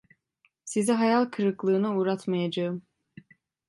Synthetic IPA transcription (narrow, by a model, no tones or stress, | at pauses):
sizɛɦɑjalˠkʰɯɾɯklˠɯːnɯuːɾat̪majad͡ʒaɯm